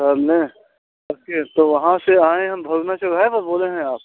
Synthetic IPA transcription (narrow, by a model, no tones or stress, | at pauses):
sɐɾne | ɐskeːt̪oʋɐɦãseaːẽɦɐmbʱɐɾunaʃobɦɛʋɐɾboːlẽɦɛ̃aːp̚